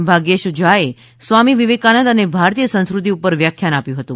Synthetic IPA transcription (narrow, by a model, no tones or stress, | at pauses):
bʱaɡeʃd͡ʒae | sʋamiʋiʋekanənd̪ənebʱaɾt̪ijəsə̃ñskɾut̪iupəɾʋjakʰːjanapjũɦət̪ũ